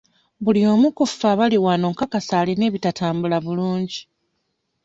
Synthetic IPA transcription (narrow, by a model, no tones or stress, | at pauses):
βulio̞ːmukuffːaβaliwano̞ːŋkakasaːline̞ːβitatʰaːmbulaβuluːɲɟi